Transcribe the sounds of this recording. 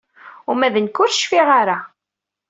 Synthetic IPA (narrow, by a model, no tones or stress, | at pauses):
ʊmæðənkːʊɾʃfiʁaɾa